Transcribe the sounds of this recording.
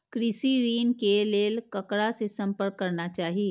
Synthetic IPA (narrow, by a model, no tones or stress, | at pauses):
kɾɪsiɾiːnkeleːlkɐkɽasesɐ̃mpəɾkːɐɾnat͡ʃaːɦie